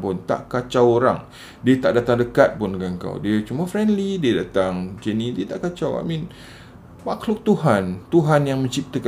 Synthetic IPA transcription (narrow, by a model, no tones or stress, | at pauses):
pʊnt̪a̰ʔkat͡ʃawoɾa̰ŋ | diət̪aʔdat̪aŋdəkat̪̚pʊnɡaŋka̰wdiət͡ʃumafɾɛndlidiədat̪aŋd͡ʒenĩdiət̪aʔkat͡ʃawa̰ʔmĩn | maklʊk̚t̪uɦant̪uɦanjaŋmə̃ɲt͡ʃip̚t̪ək